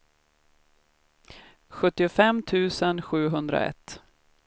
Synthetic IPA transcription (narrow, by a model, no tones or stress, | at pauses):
ɧɵt̪ːɪʊfɛmt̪ʰʉ̟ːsənɧʉ̟ːɦɵnd̪ɾa̰ɛ̰t̪ː